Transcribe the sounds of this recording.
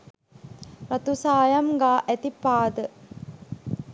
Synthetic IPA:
ɾat̪usaːjamɡaːʔæt̪ipːaːd̪ə

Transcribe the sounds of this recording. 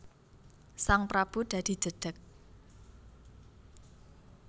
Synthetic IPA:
saŋpɾab̥ṳd̪̥a̤d̪̥i̤̥d͡ʒ̥ə̤d̪̥ə̤k̚

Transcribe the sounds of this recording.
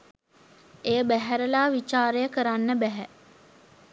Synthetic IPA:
ejəbæɦæɾəlaːʋit͡ʃaːɾejəkəɾanːəbæɦæ

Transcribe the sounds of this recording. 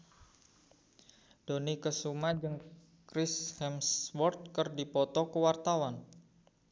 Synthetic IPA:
d̥onikəsumad͡ʒɨŋ | kɾɪshɛmswɔrt̪̚kərdipɔt̪ɔkəwart̪awan

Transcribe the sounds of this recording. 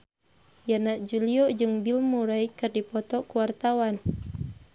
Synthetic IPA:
janaʔd͡ʒuliɔd͡ʒɨŋbilmuɾaikɨrdipɔt̪ɔkuwart̪awan

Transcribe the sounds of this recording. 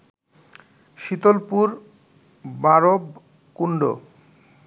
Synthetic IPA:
ʃit̪olpuɾ | baɾob | kuɳɖo̰

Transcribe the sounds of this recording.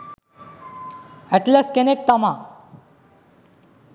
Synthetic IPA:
ɛʈləskenek̚t̪əma

